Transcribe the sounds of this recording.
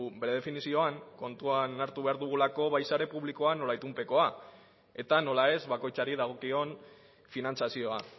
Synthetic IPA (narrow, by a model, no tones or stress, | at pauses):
be̞ɾe̞ð̞e̞finisio̞aŋko̞nt̪uanaɾt̪uβe̞aɾðuɣ̞ulako̞βajsaɾe̞puβlikoano̞lajt̪umpe̞ko̞a | e̞t̪ano̞lae̞zβako̞jt͡saɾiðaɣ̞o̞kio̞n | finant͡sasio̞a